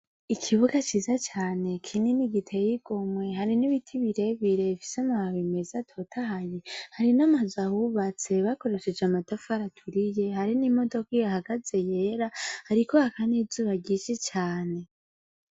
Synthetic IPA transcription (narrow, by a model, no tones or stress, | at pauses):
ikʰiβuɡat͡ʃiːzat͡ʃaːne̞kʰininiɡitʰejiɡ̥o̞mwe̞ɦaɾiniβitʰiβiɾe̞βiɾe̞fi̥samahaβimezatʰo̞tʰahajehaɾinamazahuβat͡se̞βako̞ɾe̞ʃe̞d͡ʒamatafaɾatʰuɾije̞haɾinimo̞do̞kijahaɡaze̞je̞ːɾahaɾikohakanizuːβaɟiːʃit͡ʃaːne̞